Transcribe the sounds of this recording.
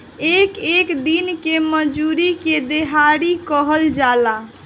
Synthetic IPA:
ekekd̪inkeməd͡ʒuɾiked̪eɦaɽikəɦəld͡ʒala

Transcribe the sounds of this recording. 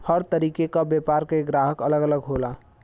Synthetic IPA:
həɾt̪əɾiːkekabjepaːɾkeɡɾaːɦəkələɡələɡɦola

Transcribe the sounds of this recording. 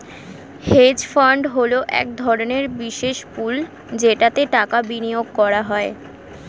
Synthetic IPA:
hed͡ʑfaɳɖɦoloʔɛ̰k̚d̪ʱɔɾoneɾbiʃeʃpul | d͡ʑeʈat̪eʈakabinijoɡ̚kɔɾaɦɔe

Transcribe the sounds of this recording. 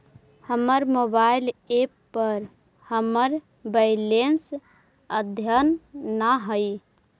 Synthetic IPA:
həməɾmobailepːəɾ | həməɾ | bəjlens | əd̪ʱjənːaɦəj

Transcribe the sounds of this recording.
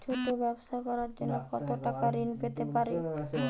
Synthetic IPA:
t͡ʃʰoʈobɛboʃakɔɾaɾd͡ʑonːokɔt̪oʈakaɾinpet̪epaɾe

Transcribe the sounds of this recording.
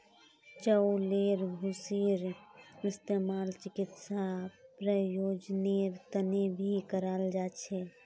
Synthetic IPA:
t͡ʃəwleɾbʱusiɾist̪emalt͡ʃikit̪sapɾəjod͡ʒneɾt̪ənebʱikəɾald͡ʒat͡ʃʰɛ

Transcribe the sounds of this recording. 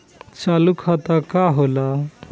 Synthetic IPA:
t͡ʃalukʰat̪akaɦola

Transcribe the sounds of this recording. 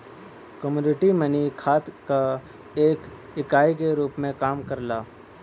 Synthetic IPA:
kəmjuːnɪʈimənikʰaːt̪ka | eːk | ɪkaːikeɾuːpmẽkaːmkɐɾlaː

